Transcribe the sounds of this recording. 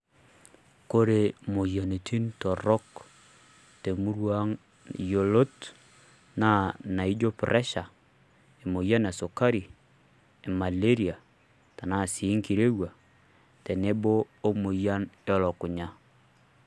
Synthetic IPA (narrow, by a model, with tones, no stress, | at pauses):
ko˦ɾe˨mo˨ja˨ne˨tʰi˦nto˨ɾɔ˦k | te˨mu˦ɾwa˦ŋ | jo˨lo˦t | na˦na˨i˦d͡ʒo˦pɾʔɛ˦ʃa˨ | e˨mo˨ja˦na˨so˨ka˦ɾi˨ | e˨ma˨le˦ɾi˨a˨ | ta˨na˦˨si˨˦ŋki˨ɾe˦wa˨ | te˨ne˦bo˦ | o˦mo˨ja˦ne˦ɔ˨lɔ˨ku˨ɲa˨